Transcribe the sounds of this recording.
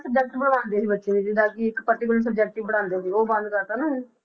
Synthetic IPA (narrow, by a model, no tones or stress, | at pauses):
səbd͡ʒɛk̚ʈiːbəɽãːnd̪eːsiːbətːʃẽːniːd͡ʒɪd̪aːkiɪkpəɾʈ̪ɪkʊləɾs̬əbd͡ʒɛːk̚ʈiːbəɽ̃ãːnd̪eːsiːoːbə̃nd̪kəɾt̪aːnãː